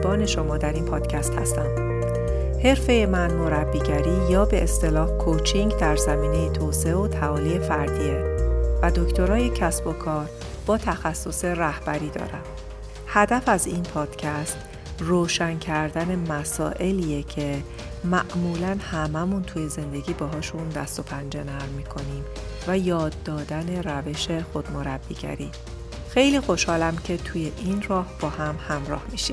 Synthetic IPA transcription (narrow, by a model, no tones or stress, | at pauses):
bɒːne̞ʃo̞mɒːd̪æɾiːnpʰɒːd̪̥cʰæst̪hæ̰st̪æ̰m | he̞ɾfe̞je̞mænmo̞ɾæbːiːɟæɾiːjɒːbe̞ʔest̪e̞lɒːhkʰot͡ʃʰiŋɟd̪æɾzæmiːne̞jet̪ʰoːseeot̪ʰævɒːlije̞fæɾd̪iːevæd̪o̞ct̪o̞ɾɒːje̞cʰæsb̥o̞kʰɒːɾ | b̥ɒːt̪ʰæxæsːo̞se̞ɾæhb̥æɾiːd̪ɒ̰ːɾæm | hæd̪æfæzinpʰɒːd̪̥cʰæst̪ | roːʃæncʰæɾd̪æne̞mæsɒ̰ːʔe̞lijecʰe̞ | mæʔmuːlænhæmæmunt̪ʰuːje̞ze̞nd̪e̞ɟiːbɛɦɒːʃund̪æst̪o̞pʰænd͡ʒe̞næɾmiːkʰo̞niːm | væjɒːd̪ːɒːd̪æne̞ɾæveʃe̞xo̞d̪mo̞ɾæb̥ːḭːɟæ̰ɾḭː | xe̞jliːxo̞ʃhɒːlæmcʰe̞t̪ʰuːje̞ʔinrɒːhb̥ɒːhæmhæmɾɒ̰ːhmiʃim